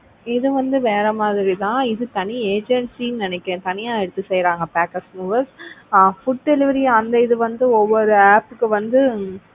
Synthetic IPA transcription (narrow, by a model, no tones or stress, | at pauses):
ɪðɯʋɐnd̪ɯʋeːɾɐmaːðɪɾit̪ãːɪðɯt̪ɐnieːd͡ʒɛɳʈsinnɪnɛkːẽːt̪ɐnɪjaːɛɽɯt̪ːɯsɛjɾaːŋɡɐpaːkɐsmuːʋɐɾsfʊʈ̚ɖɛlɪʋɐɾiɐnd̪ɐɪðɯʋɐnd̪ɯɔʋːɔɾɯaːpɯkːɯʋɐnd̪ɯ